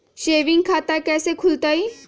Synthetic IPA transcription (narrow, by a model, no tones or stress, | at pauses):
ʃeːʋĩŋɡkʰaːt̪akɛːsekʰʊlt̪ai